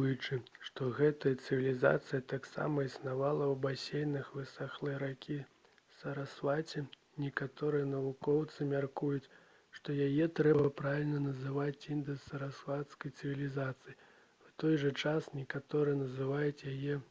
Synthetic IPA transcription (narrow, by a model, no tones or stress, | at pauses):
jut͡ʂɨ | ʂt̪ɔɣɛt̪ɐjɐt̪sɨvʲilʲiza̰t̪sɨjɐt̪aksa̰mɐisnavalˠɐwbasʲejnɨxvɨsaxlˠɨɾakʲʰi | sɐɾasvat͡sʲɛ | nʲɛkat̪ɔɾɨjɐnɐvukɔwt̪sɨmʲarkujut͡sʲ | ʂt̪ɔjajɛt̪ɾɛbɐpɾavʲilʲnɐnɐzɨvat͡sʲind̪ɨsɐɾasvat̪skɐjt̪sɨvʲilʲizat̪sɨji | wt̪ɔjʐɐt͡ʂasnʲɛkat̪ɔɾɨjɐnɐzɨvajut͡sʲjajɛ